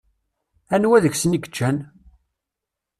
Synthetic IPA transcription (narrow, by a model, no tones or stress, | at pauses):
ænwæðəçsəniɡət͡ʃːæn